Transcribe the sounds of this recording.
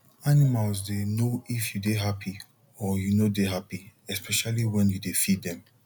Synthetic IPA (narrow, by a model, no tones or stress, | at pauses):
animalsdenoifjudeɦapʰi | ɔjunodeɦapiɛspɛʃaliwɛ̃njudefiddɛ̃m